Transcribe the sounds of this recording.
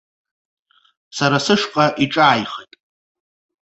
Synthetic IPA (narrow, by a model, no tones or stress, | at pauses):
saɾasɨʂqʼaʔiʈ͡ʂʼaːjχijtʼ